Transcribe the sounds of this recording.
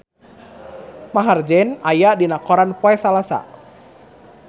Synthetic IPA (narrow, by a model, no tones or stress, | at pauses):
maɦard͡ʒɛnajadinakɔɾanpɔɛsalasa̰